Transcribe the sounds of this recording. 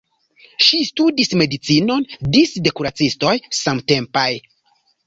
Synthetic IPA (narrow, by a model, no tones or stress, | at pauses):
ʃistudisme̞dit͡sino̞ndisde̞kuɾat͡sisto̞jsamte̞mpaj